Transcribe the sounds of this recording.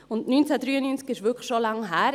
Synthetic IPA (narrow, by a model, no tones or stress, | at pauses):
ʊntnyːnt͡sɛdryːənynt͡skɪʃvʏkχʃolaŋɦæːɾ